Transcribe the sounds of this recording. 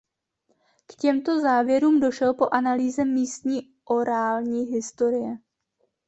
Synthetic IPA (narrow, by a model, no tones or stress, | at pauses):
kcɛmt̪o̞zaːvjɛɾuːmdo̞ʃɛlpo̞ʔanaliːzɛmiːst̪ɲiː | ʔo̞ɾaːlɲiːɦɪst̪o̞ɾɪjɛ